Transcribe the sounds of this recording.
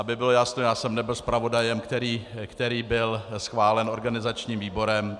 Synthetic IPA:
ʔabɪbɪlojasnojaːsɛmnɛbɪlspɾavo̞dajɛmkt̪ɛɾiːkt̪ɛɾiːbɪlsxvaːlɛno̞ɾɡanɪzat͡ʃɲiːmviːbo̞ɾɛm

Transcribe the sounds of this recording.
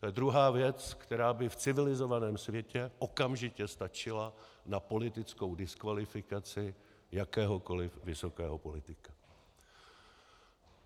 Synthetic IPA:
t̪ojɛd̪ɾuɦaːvjɛt͡skt̪ɛɾaːbɪft͡sɪvɪlɪzo̞vanɛːmsvjɛcɛʔo̞kamʒɪcɛst̪at͡ʃɪlanapo̞lɪt̪ɪt͡sko̞wdɪskvalɪfɪkat͡sɪ | jakɛːɦo̞ko̞lɪfvɪso̞kɛːɦopo̞lɪt̪ɪkḁ

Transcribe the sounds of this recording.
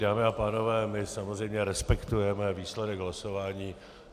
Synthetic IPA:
daːmɪapaːno̞vɛːmɪsamo̞zrɛjmɲɛɾɛspɛkt̪ujɛmɛviːslɛdɛɡɦlaso̞vaːɲiː

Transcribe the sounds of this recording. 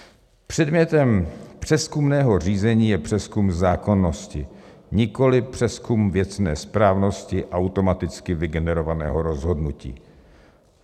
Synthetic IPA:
pr̥ɛdmɲɛt̪ɛmpr̝̥ɛskumnɛːɦo̞r̝iːzɛɲiːjɛpr̝̥ɛskumzaːko̞nːo̞scɪ | ɲɪko̞lɪpr̝̥ɛskumvjɛt͡snɛ̰ːspɾaːvno̞scɪʔawt̪o̞mat̪ɪt͡skɪvɪɡɛnɛɾo̞vanɛ̰ːɦo̞ɾo̞zɦo̞dnucḭː

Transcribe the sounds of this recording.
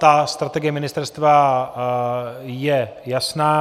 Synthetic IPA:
t̪ast̪ɾat̪ɛɡɪjɛmɪnɪst̪ɛɾst̪va | jɛ | jasnaː

